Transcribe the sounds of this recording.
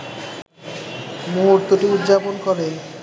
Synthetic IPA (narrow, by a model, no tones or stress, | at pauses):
moɦɾt̪oʈiud̪ːd͡ʑaponkɔɾen